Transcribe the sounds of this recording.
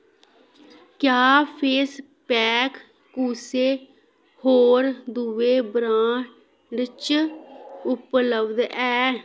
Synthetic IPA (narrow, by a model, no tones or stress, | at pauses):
kjaːpʰeːs | pɛːkː | useː | hoːɾd̪uʋeːbɾãːʈ | ɖt͡ʃ | ʊpləbd̪ɛː